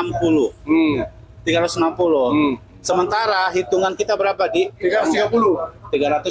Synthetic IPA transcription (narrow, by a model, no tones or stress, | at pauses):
ampulʊh | t̪iɡaɾat̪ʊsnampulʊh | səmənt̪aɾaɦit̪uŋankit̪abəɾapadiiɡast̪iɡapulʊt̪iɡaɾat̪ʊ